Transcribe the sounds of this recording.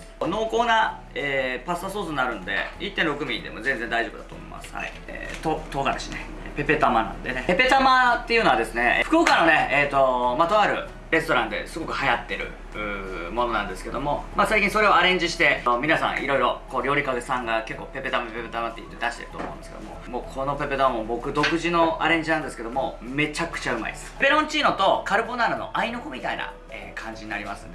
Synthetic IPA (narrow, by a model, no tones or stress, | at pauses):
no̞ːko̞ːna | eːpast̪asoːsɨnːaɾɯ̟nod̪e̞̰it̪ːẽɾo̞kɯ̟mʲĩnd̪e̞̰mo̞zẽ̞nze̞nd̪aiʑo̞bɯ̟d̪at̪oːmo̰ḭmʔa̰sɨ̥ha̰ḭḛːt̪ot̪o̞ːɡad̪eɕine | pe̞pe̞t̪amanã̰nd̪e̞nee̞pe̞t̪amat̪ːe̞iɯ̟noad̪e̞sɨne̞ɸɯ̥kɯokanone̞eːt̪ːo̞mat̪o̞βaɾɯ̟̰ | ɾe̞st̪o̞ɾãnd̪e̞̰sɨɡo̞kɯ̟hajat̪ːe̞ɾɯ̟̰ | ɯ̟ːmo̞no̞nãnd̪e̞sɨ̥ke̞d̪o̞mo̞masaikʲĩso̞ɾe̞o̞aɾẽ̞ɲ̟d͡ʑiɕi̥t̪e̞mʲinasã̰ɰ̃ʔiɾo̞iɾo̞ko̞ːɾʲo̞ːɾʲikad̪e̞sãŋɡake̞kːo̞ːpe̞pe̞t̪ampepet̪amat̪ːeḭt̪ːed̪aɕi̥t̪e̞̰ɾɯ̟t̪omoɯ̰̃nd̪skd̪omo̞̰moːkʰo̞no̞pe̞pet̪aβamobo̞kɯ̟d̪o̞kɯ̟ʑino̞a̰ɾẽ̞ɲ̟d͡ʑinãnd̪e̞sɨ̥ke̞d̪o̞mome̞t͡ɕakɯ̥t͡ɕaɯ̟ma̰ḭd̪esbe̞ɾõɲt͡ɕiːno̞t̪o̞kaɾɯ̟bo̞naɾɯno̞̰ʔainokomʲit̪aina̰ | ḛːkʰãɲ̟d͡ʑiɲ̟inaɾʲimasɨ̰nd̪